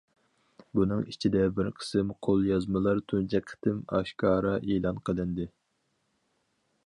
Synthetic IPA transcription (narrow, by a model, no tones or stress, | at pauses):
bunɨŋit͡ʃʰid̪ɛbɪɾqʰə̥sɨmqʰolˠjɑzmɨlˠɑɾt̪ʰunt͡ʃʰɛkʲʰːə̥t̪ʰɪmɑ̰ʃkʰɑːɾɑʔelˠɑnqʰəlˠɨnd̪ɪ